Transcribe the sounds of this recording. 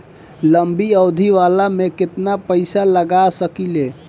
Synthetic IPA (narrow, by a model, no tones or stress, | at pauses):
ləmbiəwd̪ʱiʋalamekɪt̪napəɪsaləɡasəkile